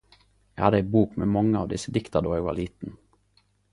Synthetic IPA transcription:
æhɑd̪əæɪbuːkmḛːmɑŋːəɑ̰ʋd̪ɪsəd̪ɪkt̪əd̪oːʁeːɡʋɑ̰ʁliːt̪n̩

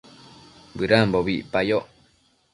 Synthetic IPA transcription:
bɨɾamboβiʔpajoʔ

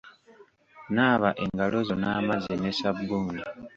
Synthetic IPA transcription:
naːβaʔeŋɡalozonaːmazenesabːuːŋɡi

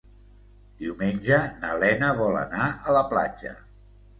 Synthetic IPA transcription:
d̪̥iwmenʲʒənəlɛnəβɔlə̰naələpla̰d͡ʒə̰

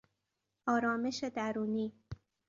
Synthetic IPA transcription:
ɒːɾɒːmeʃed̪æɾuːniː

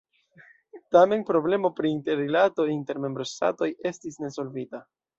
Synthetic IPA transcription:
tame̞npɾo̞ble̞mo̞pɾiːnte̞ɾilato̞inte̞ɾme̞mbɾo̞sta̰to̞je̞stisne̞so̞lvita

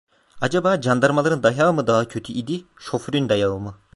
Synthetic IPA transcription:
ad͡ʒabaːd͡ʒand̪aɾmalˠaɾɯnd̪ajaːmɯd̪aɦacʰø̞t̪ʰyʔid̪iʃo̞fɾynd̪ajaɯlˠmɯ

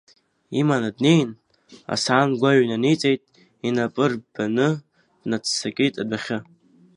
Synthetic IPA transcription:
imanadnejn | a̰saːnɡʷaɥnanet͡sʼejtʼ | inapʼɨrb̥anɨ̥ | nat͡sʰsakʲʼijtʼadʷaχʲɪ

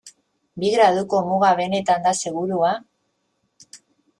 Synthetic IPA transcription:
biɣɾaðuko̞muɣaβe̞ne̞t̪and̪ase̞ɣ̞uɾua

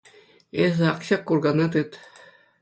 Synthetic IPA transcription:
ezɘ̆ɑkɕɑkːurɡɑnɑt̪ɯt̪

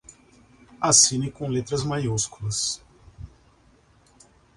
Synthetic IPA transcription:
asĩnɪkõlet̪ɾɐzmajuskulɐs

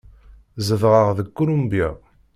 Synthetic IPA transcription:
zəvʁəʁðəkːulumbja

